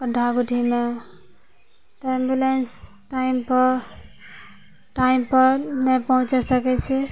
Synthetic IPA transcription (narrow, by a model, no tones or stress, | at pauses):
pəɖʱaɡuʈʰime | ʈɾembjulensʈaimpəɾ | ʈaimpəɾmepəɦũt͡ʃɛsəkɛt͡ʃʰɛ